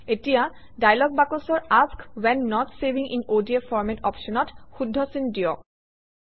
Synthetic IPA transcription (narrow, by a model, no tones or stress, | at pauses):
etija | dajlɔɡ̚bakosɔɹaskwɛnːɔtsebiŋʔḭnodiefɔɹmɛtɔ̰pʃɔnɔtxudʱːɔsindijɔ